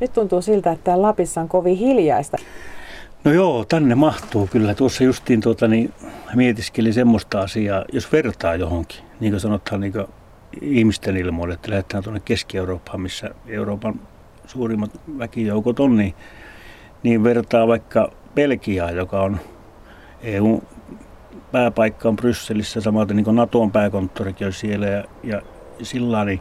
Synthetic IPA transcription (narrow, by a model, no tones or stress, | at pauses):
nyt̪t̪unt̪uːsilt̪æet̪ːæːllɑpisːɑŋkoʋihiljɑist̪ɑ | nojoːt̪ænːemɑht̪uːkylːæt̪uosːɑjust̪iːnt̪uot̪ɑnimiet̪iskelisemːost̪ɑɑsiɑːjosʋert̪ɑːjohoŋki̥niːŋkøsɑnot̪hɑnniːŋkø | ihmist̪enilmoilːeet̪ːælæhet̪hæːnt̪uonːekkeskieuroːpːhɑmmisːæ̰euroːpɑn | suːrimːɑt̪ʋækijoukot̪onniː | niːʋʋert̪ɑːʋɑikːɑ | pelkiɑːjokɑon | eiu | pæːpɑikːɑomprysːelisːæsɑmɑlt̪eniːkonɑt̪ompæːkont̪ːorikionʲsielæjɑjɑ | silːɑːni